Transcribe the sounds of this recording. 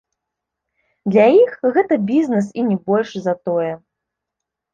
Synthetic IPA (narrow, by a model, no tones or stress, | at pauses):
d̪lʲajixɣɛt̪ɐbʲiznɛsinʲɛbɔlʲʂzɐt̪ɔjɛ